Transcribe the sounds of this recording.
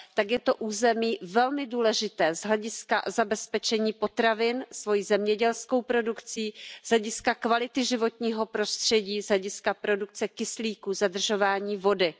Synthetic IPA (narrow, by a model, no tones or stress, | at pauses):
t̪aɡjɛt̪o̞ʔuːzɛmiːvɛlmɪduːlɛʒɪt̪ɛːzɦlɛɟɪska̰zabɛspɛt͡ʃɛɲiːpo̞t̪ɾavɪnsvo̞jiːzɛmɲɛɟɛlsko̞wpɾo̞dukt͡siːz̥ɦlɛɟɪskakvalɪt̪ɪʒɪvo̞t̪ɲiːɦo̞pɾo̞st̪r̝̥ɛɟiːzɦɛɟɪskapɾo̞duk̚t͡sɛkɪsliːkuzadr̩ʒo̞vaːɲiːvo̞dɪ